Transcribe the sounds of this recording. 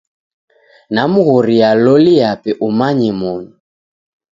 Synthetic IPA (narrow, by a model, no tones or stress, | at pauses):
namuɣɔɾialɔliapɛʔumaɲimɔnu